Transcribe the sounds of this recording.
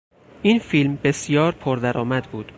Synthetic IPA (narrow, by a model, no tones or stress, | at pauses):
ʔiːnfilmbe̞sjɒːɾpʰoɾd̪æɾɒːmæd̪buːd̪̥